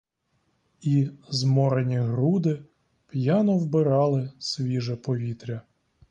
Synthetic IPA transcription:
izmɔɾenʲiɦɾud̪ɪ | pjɑnɔwbɪɾɑlˠɪsʲʋʲiʒɛpɔʋʲit̪ɾʲɐ

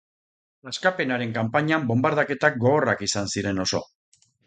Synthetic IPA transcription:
laskape̞naɾe̞ŋkampaɲambo̞mbaɾð̞ake̞t̪ak̚ɡo̞ɣo̞rakisansiɾe̞no̞so̞̰

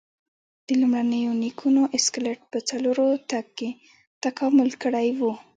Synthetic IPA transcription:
d̪̥əlumɽanəjonikʰunoʔɪskleʈ̚pət͡saloɾot̪aɡ̚ke | t̪akɑmʊlkəɽajwu

